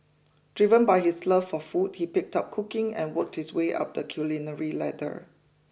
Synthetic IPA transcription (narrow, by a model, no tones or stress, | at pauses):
d̥ɹivə̃nbaɪhisləfɔfud̚hipɪk̚tap̚kʰukɪ̃ŋɛ̰̃nwək̚thisweʔa̰p̚dəkʰjulinəɹilɛ̰də̰